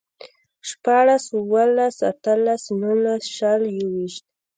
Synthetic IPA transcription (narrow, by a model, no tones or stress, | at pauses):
ʃpɑɽaswalasa̰t̪alasnʊlasʃaljawɪʃt̪̚